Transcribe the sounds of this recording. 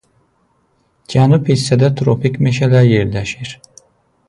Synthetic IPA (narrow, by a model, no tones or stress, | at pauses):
ɟanupisɛd̪ɛt̪ʰɾopicmeʃelʲæɾjɛɾlʲeʃiɾ̥